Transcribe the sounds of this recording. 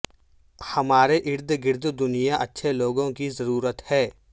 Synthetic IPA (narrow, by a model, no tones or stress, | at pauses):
hɐmaːɾeʔɪɾd̪ɡɪɾd̪d̪ʊnijaʔɐtːʃʰeloːɡõkizɐɾuːɾət̪hɛː